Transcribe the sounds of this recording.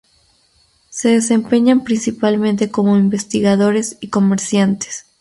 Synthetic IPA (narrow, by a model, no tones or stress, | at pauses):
se̞ðe̞se̞mpe̞ɲampɾinsipalmẽ̞nt̪e̞ko̞mo̞imbe̞st̪iɣaðo̞ɾe̞siko̞me̞ɾsjant̪e̥s